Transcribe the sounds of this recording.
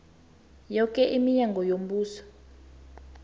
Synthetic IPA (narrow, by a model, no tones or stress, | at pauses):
jɔkʼɛʔimiɲaŋɡɔjom̩buːsɔ̥